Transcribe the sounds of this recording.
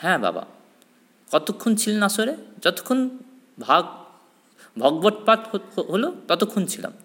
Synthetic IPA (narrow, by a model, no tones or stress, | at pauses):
hɛ̃ba̰ba̰ | kɔt̪ukʰːunt͡sʰilnasoɾed͡ʒʌt̪u̥kʰːun | bʱa | bʱɔɡbɔʈ̚paʈɦolot̪ɔt̪ukʰːunt͡sʰilɔ̰m